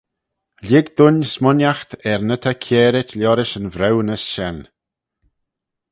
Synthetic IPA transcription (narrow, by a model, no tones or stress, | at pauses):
lɪɡd̪ʊnsmʊnjaxt̪ɛɾnət̪ʰakʰjɛːɾɪtʰlʲjɔɾɪʃənvɾɛwnəsʃɛn